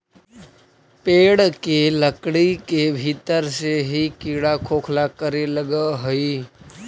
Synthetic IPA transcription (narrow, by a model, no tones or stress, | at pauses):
peːɽkeləkɽikebʱiːt̪əɾseɦikiːɽakʰoːkʰlakəɾeləɡəɦʊi